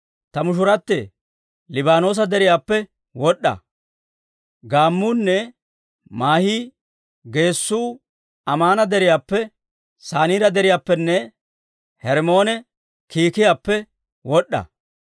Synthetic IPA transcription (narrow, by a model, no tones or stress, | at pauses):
t̪ɐmʊʃ̬ʊɾɐt̪ːe | lɪbaːno̞ːs̬ɐd̪ɛɾɪjaːpːɛ | wɔɗːɐ̰ | ɡaːmːuːnːɛ | maːhiː | ɡe̞ːsːuː | ɐmaːnɐd̪ɛɾɪjaːpːɛ | saːniːɾɐd̪ɛɾɪjaːpːɛnːɛ | hɛɾmo̞ːnɛ | kiːkɪjaːpːɛ | wɔɗːɐ̰